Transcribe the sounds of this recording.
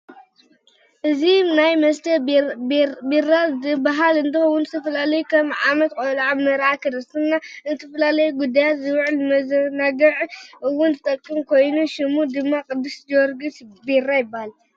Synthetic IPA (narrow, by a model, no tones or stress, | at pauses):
ʔɨzinajmɐst̪ʰɐ | birazɨbaɦalɨnt̪ɨxowʊnzɨt̪ʰɐfɐlalɐjukʰɐmʕamɐt̪kʼolʕamɐɾakʰɨd̪ɨsɨnːanɨt̪ʰɐfɐlalɐjuɡud̪ːajat̪zɨwʕɨlmɐzɐnaɡɐʕɨwʊnzɨt̪ʼɐkʼːɨmkʰo̞jnuʃɨmud̪ɨmːakʼɨd̪ːɨsd͡ʒwɔɾɡɨt̪berajɪbːahal